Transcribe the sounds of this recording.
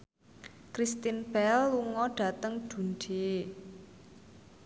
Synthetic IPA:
kɾist̪inb̥ɛlːuŋɔɖ̥a̤t̪əŋd̥ṳnɖ̥e

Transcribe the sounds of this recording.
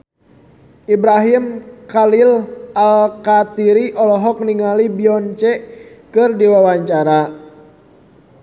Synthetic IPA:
ibɾaɦimkalilalkat̪iɾiʔɔlɔɦɔk̚niŋalibiɔnt͡ʃɛkɨrdiwawaɲt͡ʃaɾa

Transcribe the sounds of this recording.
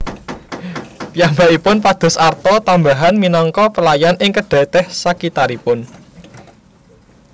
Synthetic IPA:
pijambaipʊnpad̪̥ʊ̤sart̪ɔt̪ambaɦanminɔŋkɔpəlajanʔɪŋkəɖ̥ɛ̤t̪ɛhsakit̪aɾipʊn

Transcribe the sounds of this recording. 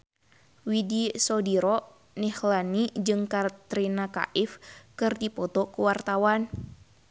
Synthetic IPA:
widisɔdiɾɔ | nɛhlanid͡ʒɨŋkat̪ɾinaka̰ʔifkɨrdipɔt̪ɔkuwart̪awan

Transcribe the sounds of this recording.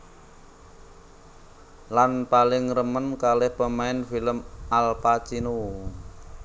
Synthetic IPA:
lanpalɪŋrəmənkalɛhpəmaɪnfiləmʔalpat͡ʃinu

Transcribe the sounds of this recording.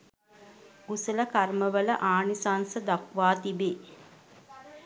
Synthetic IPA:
usələkarməʋələʔaːnisansəd̪akʋaːt̪ibeː

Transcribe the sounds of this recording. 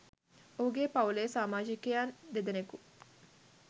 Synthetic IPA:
ouɡepɐwlesaːmaːd͡ʒikejand̪ed̪eneku

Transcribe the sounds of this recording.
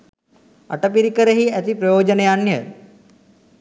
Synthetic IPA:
ɐ̰ʈəpiɾikəɾəɦiɛt̪ipɾɐjoːd͡ʒənejanjə̰

